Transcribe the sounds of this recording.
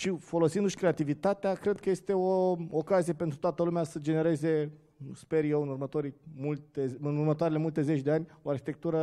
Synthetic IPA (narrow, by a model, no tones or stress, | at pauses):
ʃifo̞lo̞sind̪uʃʲkɾe̞at̪ivit̪at̪eakɾe̞d̪̚kəje̞st̪e̞ookazije̞pe̞nt̪ɾut̪oat̪əlumeasəd͡ʒe̞ne̞ɾe̞ze̞ | spe̞ɾje̞wɨnurmət̪o̞ɾijmult̪eɨnurmət̪oaɾele̞mult̪e̞ze̞t͡ʃʲd̪eanʲoarxit̪e̞k̚t̪uɾə